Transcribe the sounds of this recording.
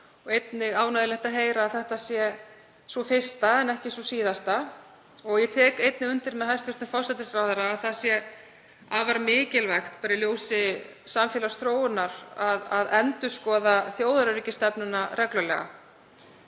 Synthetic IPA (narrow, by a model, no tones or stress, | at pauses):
ɔɣejt̪nɪɣaːwnajðɪlɛht̪aɦeːjɾaːðθɛht̪asjɛ | sɔfɪr̥st̪aɛnɛhcɪsɔsiːðast̪a | ɔɣjɛt̪ʰɛːkejt̪nɪɣʏnt̪ɪɾmɛðɦajst̪ʏɾ̥t̪fɔr̥sɛt̪ɪsɾawθɛɾaːðθaðsjɛ | avaɾmɪːcɪlvɛxt̪̚paːɾɪljoːwsɪ | samfjɛːlast̪ɾoːwɪnaɾ̥aðaðɛnt̪ʏ̥skɔːðaθjoːwðaɾʏɾiːcɪst̪ɛpnʏnaɾʔɛklʏlɛ̰ːɣa̰